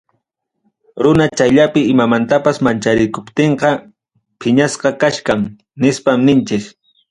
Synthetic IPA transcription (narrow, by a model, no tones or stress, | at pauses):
ɾʊnat͡ʃajʎapɪɪmamant̪apasmant͡ʃaɾɪkʊpt̪eɴqɑ | pʰɪɲasqɑkaʃkaŋ | nɪspamnɪnt͡ʃɪk